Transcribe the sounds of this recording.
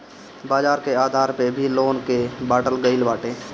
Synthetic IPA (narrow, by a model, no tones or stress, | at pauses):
baːd͡ʒaːɾkeaːd̪ʱaːɾpebʱiloːnkebaːʈəlɡəɪlbaːʈeː